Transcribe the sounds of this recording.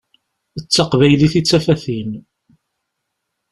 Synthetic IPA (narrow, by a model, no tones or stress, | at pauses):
ət͡sːɑqvæjliθit͡sːæfæθin